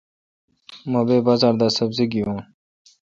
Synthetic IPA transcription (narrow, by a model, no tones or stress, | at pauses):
mɐbeːbaːzaːɾd̪asəbziɡijũː